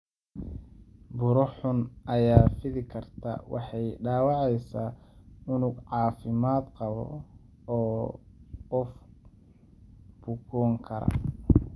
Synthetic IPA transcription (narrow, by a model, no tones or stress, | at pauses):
bʊɾɔħʊnʔɐjaːfɪðɪkʰɐrt̪ʰa̰wɑ̰ħɑjɖaːwɑʕɛjsaːʊnʊɡʕɑːfɪmaːd̪qɑβɔ̰ | ɔː | qɔf | b̥ʊkʰɔːŋkʰɐɾɐ̰